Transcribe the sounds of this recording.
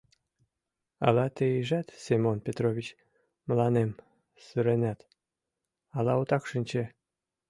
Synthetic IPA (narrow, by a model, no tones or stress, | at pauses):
ɑ̰lɑt̪ejiʒæt̪semonpʲet̪roβʲit͡ɕ | məlɑnem | syɾenæt̪ | ɑlɑut̪ɑkʃənʲt͡ɕe